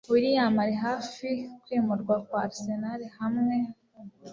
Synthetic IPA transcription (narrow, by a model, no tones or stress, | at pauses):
βuɾijamaɾeɦaːfikwimuɾɡwakwaɾisenaɾehamŋe̞